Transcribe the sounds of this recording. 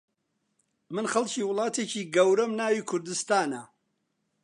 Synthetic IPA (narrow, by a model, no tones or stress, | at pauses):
mɨnχɐlcʰiːwʊlˠɑːt̪ʰecʰiːɡɐwɾɐmnaːwiːkʰʊɾd̪ɨst̪aːnɐ